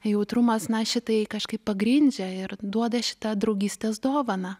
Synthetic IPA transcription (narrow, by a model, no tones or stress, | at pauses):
jɛʊt̪ɾʊmɐsnɐʃʲɪt̪ɐɪkɐʃkɐɪppːɐɡɾʲɪnʲd͡ʒʲɛɪɾd̪uɔd̪ɐʃʲɪ̥t̪ɐd̪ɾɐʊɡʲiːsʲt̪ʲeːsd̪oːʋɐnɐ